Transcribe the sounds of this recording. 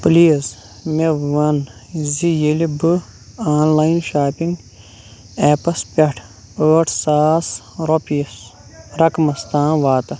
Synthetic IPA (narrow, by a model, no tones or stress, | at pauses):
pliːz | meʋɐnzijelibɨ | aːnlaːjinʃaːpiŋɡ | eːpɐspʲɐʈʰ | əːʈʰsaːs | ɾopijɐs | ɾɐkmɐst̪ãːʋaːt̪ɐ